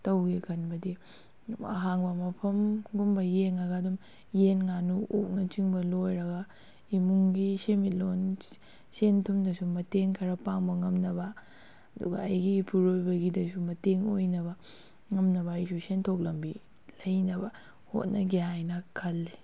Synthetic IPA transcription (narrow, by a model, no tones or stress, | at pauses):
tɐwɡikʰɐnbɐdi | ɐ̰ɦaŋbɐmɐpʰɐmɡumbɐjeŋɐɡaːdum | jenŋanuʔo̰k̚nɐt͡ʃiŋbɐlojɾɐɡɐ | imuŋɡisemit̚lon | sentʰumdɐsumɐteŋkʰɐɾɐpaŋbɐŋɐmnɐbɐ | ɐdṵɡɐ̰ːjɡipʰuɾojbɐɡidɐsumɐteŋojnɐbɐ | ŋɐmnɐβɐjsusentʰok̬̚lɐmbi | lɐjnɐbɐ | ho̰t̚nɐɡiɦajnɐkʰɐlːi